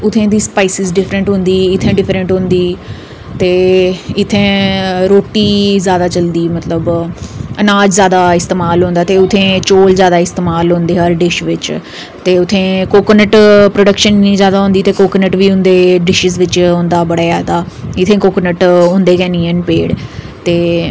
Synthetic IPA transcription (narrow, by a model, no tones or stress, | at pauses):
ʊt̪ʰːẽːd̪iːspaːisɪzɖɪfʰɾəɳʈɦʊ̃nd̪iːɪt̪ʰːẽːɖɪfʰɾə̃ɳʈɦõnd̪iː | t̪eːɪt̪ʰːẽːɾoːʈiːzjaːd̪aːt͡ʃəld̪iːmət̪ləbənaːd͡ʒzjaːd̪aːɪst̪eːmaːlɦõːnd̪aːt̪eːʊt̪ʰːẽːt͡ʃoːlzjaːd̪aːɪst̪eːmaːlɦõːnd̪eːɦəɾɖɪʃʋɪt͡ʃ | t̪eːʊt̪ʰːẽːkoːkənəʈpɾoːɖəkʃənːĩːzjaːd̪aːɦʊ̃nd̪iːt̪eːkoːkənəʈʋiːʊ̃nd̪eːɖɪʃɪzʋɪt͡ʃɦõːnd̪aːbəɽaːjaːd̪aː | ɪt̪ʰːẽːkoːkənəʈɦʊ̃nd̪eːkɛ̃ːniːənpeːɽ | t̪eː